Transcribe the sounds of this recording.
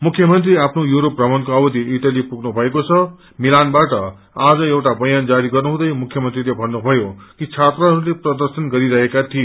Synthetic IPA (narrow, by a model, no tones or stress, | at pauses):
mukʰjʌmʌnt̪riapʰnojuɾop̚rʱʌmʌnkoʌbʌd̪ʱiiʈalipuɡnubʱʌekot͡sʰʌ | milanbaʈʌ | ad͡zʌewʈabʌjand͡zaɾiɡʌrnuɦũd̪ʌjmukʰjʌmʌnt̪rilebʱʌnːubʱʌjokit͡sʰat̪rʌɦʌɾuleprʌd̪ʌrsʌnɡʌɾiɾʌɦekat̪ʰie